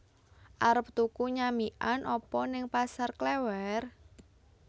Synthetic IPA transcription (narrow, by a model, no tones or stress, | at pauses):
ʔaɾəp̚t̪ukuɲamiʔanʔɔpɔnɪŋpasarklɛwɛr